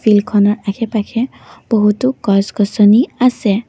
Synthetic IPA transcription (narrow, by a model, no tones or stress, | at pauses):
pʰilkʰɔnɔɹakʰɛpakʰɛ | b̥ɔɦutukɔsɡɔsɔniasɛ